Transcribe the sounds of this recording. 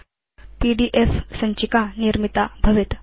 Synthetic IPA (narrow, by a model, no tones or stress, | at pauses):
piɖiʔefsəɲt͡ɕikaniɾmit̪abʱəʋit̪